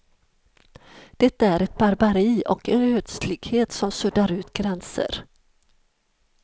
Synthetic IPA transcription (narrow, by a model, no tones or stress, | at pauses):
d̪̥ɛt̪ːaæɾɛt̪̚baɾbaɾiːʔɔkɛnøːt̪slɪɡheːt̪sɔmsɵd̪aɾʉ̟ːt̪ɡɾɛnsə̰ɾ